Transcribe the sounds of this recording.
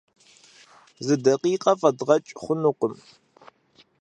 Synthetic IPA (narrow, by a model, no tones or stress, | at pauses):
zɨdɐqiːqʼɐfɐdʁɐt͡ʃʼχʷʊnuqʊm